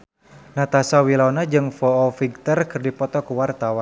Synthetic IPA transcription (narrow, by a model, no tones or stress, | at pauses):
nat̪asawilawnad͡ʒɨŋfɔɔfiɡ̚t̪ərkɨrdipɔt̪ɔkuwart̪awan